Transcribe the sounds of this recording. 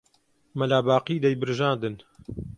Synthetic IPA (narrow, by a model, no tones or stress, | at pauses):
mɐlaːbaːqiːd̪ɐjbɨɾʒaːnd̪ɨn